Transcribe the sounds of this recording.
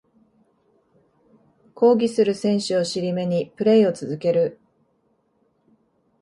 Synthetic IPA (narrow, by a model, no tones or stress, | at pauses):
kʰo̞ːɡʲisɨɾɯ̟sẽ̞ɰ̃ɕɨo̞ɕiɾʲime̞ɲ̟ipɯ̟ɾe̞io̞t͡sɨzɨke̞ɾɯ̟